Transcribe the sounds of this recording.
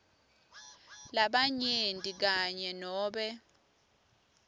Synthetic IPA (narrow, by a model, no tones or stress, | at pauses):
laɓaɲentʼik̬aɲɛnɔːɓɛ